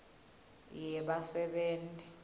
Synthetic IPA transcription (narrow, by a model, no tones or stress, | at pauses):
jɛɓasɛɓeːntʼi